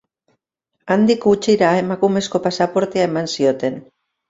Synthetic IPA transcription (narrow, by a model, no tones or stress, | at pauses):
and̪ikɡut͡ʃiɾae̞makume̞sko̞pasapo̞ɾt̪eae̞mansio̞t̪e̞n